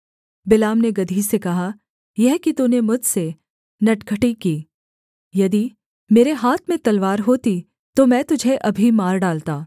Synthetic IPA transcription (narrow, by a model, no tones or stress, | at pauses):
bɪlaːmneɡɐd̪ʱisekɐɦa | jɛɦkit̪unemʊd͡ʒʱse | nɐʈkʰəʈikiː | jɐd̪i | meːɾeɦaːt̪ʰmẽt̪ɐlʋaːɾɦoːt̪i | t̪omɛ̃ːt̪ʊd͡ʒʱeʔɐbʱimaːɾɖaːlt̪aː